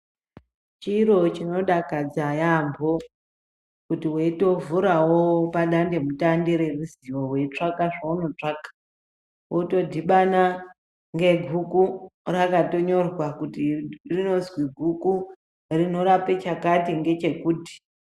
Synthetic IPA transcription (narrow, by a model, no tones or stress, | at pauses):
t͡ʃiɾo̞t͡ʃino̞ɗakad͡zajambo̞ | kutiweito̞vuɾawopaɗande̞mutandeɾe̞ruziwowe̞it͡ʂakaʐauno̞t͡ʂakḁ | woto̞dʱiɓana | ŋɡe̞ɡʱukurakato̞ɲo̞rwakutirino̞zwiɡʱuku | rino̞ɾape̞t͡ʃakatiŋɡe̞t͡ʃe̞kuːdi̥